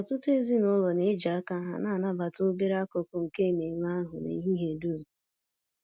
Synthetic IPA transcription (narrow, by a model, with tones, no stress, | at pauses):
ɔ˨tʊ˦tʊ˦e˦zi˦nʊ˦lɔ˨ne˨˦d͡ʒa˨a˦ka˦ɦa̰˦˨naː˦˨na˦ba˨tʊ˦be˦ɾa˦kʊ˨kʊ˦ŋ̩˨ke˦˨me˨ɲʷ˦a˦ɦʊ˨nḛ˨˦ɦi˦ɦe˨du˦˨